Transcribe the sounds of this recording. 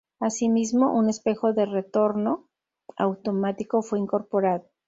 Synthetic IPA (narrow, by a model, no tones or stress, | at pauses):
asimizmo̞ʔune̞spe̞xo̞ðe̞re̞t̪o̞ɾno̞ | a̰wt̪o̞mat̪iko̞fwe̞iŋko̞ɾpo̞ɾaðo